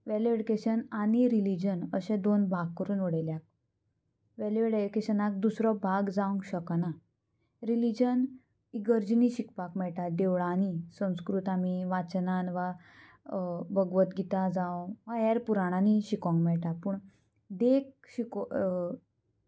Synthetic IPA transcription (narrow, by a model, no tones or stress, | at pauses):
ʋɛleɽikeɕənaɽ̃iɾilid͡ʑənəɕɛ̃d̪onbʱaɡ̚kəɾuːnoɽeljak̚ | ʋɛlʋeɽeikeɕənak̚d̪usɾɔbʱaɡd͡zaũŋɡɕəkana | ɾilid͡ʑən | iɡəɾd͡ʑniɕikpakmɛɭʈaɖeʋɭanisə̃w̃skɾuːt̪amiʋat͡ɕnanʋa | bəɡʋət̪ɡit̪ad͡zãʋajɛɾpuɾaɽ̃aniɕikɔ̃ŋɡmɛɭʈapuːɳ | d̪ek̚ | ɕiko